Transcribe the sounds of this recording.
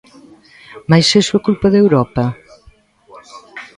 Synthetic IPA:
majsesuɐkulpɐðewɾɔpɐ

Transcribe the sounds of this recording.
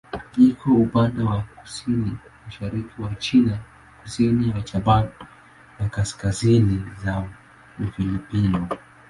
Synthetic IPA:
ikʰɔupandɛwaku̥sinimaʃaɾikiwat͡ʃina | ku̥sinijat͡ʃaba | nakaskaziniza | ufilipinɔ

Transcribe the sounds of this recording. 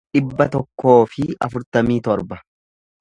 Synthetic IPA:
ᶑɪbːɐt̪ɔkːo̞ːfɪɐ̰fʊɾt̪ɐmiːt̪ɔɾbɐ

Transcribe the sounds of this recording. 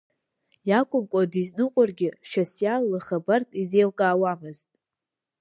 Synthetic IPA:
jakʷʼʊmkʷʼadiznɨqʷʼʊrɡʲɪʃasjallɨχabartʼizejlkʼaːwamɨztʼ

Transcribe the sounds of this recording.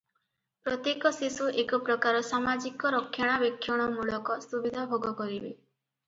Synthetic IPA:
pɾɔt̪jekɔsisuʔekɔpɾɔkaɾɔsamad͡ʒikɔɾɔkʰːjaɽ̃abekʰːjɔɽ̃ɔmuɭɔkɔsubid̪ʱabʱoɡɔkɔɾibe

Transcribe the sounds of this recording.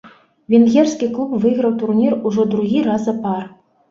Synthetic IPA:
vʲinɣʲersʲkʲiklˠupvɨɣɾɐwt̪urnʲiruʐɔd̪ɾuɣʲiɾɑzapɑr

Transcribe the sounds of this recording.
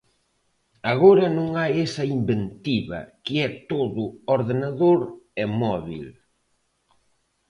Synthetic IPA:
aɣoɾɐnõŋajesɐimbent̪iβɐ̰kɪɛt̪oðʊoɾðenaðoɾɛmɔβḭl

